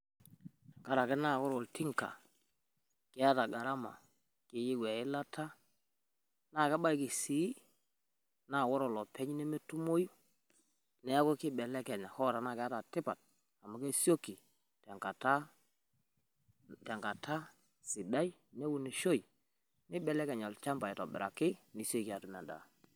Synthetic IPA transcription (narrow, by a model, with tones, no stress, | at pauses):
ka˦˨ɾa˨kɛ˦na˦˨kɔ˦ɾɔ˨lti˦ŋka̰˨ | kɪ˦a˦ta˨ɡa˨ɾa˦ma̰˨ | kɪ˨ji˦ɡwɛ˨ɪ˦la˦tʰa˦ | na˦˨kɛ˦ba˦jki˨si˨˦ | na˨wɔ˦ɾɔ˨lɔ˨pɛ˦ɲ˦nɛ˦me˦tu˦mo˦ju˦ | nɛ˨˦kʊ˦kɪ˦bɛ˨lɛ˦kɛ˨nɛ˨hɔ˦ɾa˨na˦˨kɪ˨˦a˦ta˨tɪ˦pa˨t̚ | a˨ma˨ke˦so˦ki˨ | tɛ˨ŋka˨ta˦ | tɛ˨ŋka˨tʰa˦ | sɪ˨da˦i˦ | nɛ˦wu˦ne˨ʃo˦i˨ | nɪ˦bɛ˨lɛ˦kɛ˨ɲɔ˨lt͡ʃa˦mba˨ɛ˨tɔ˨bɪ̰˨ɾa̰˨kɪ˦ni˨so˦i˨kɪ˨a˨tʊ˨mɛ̰˨nda̰˨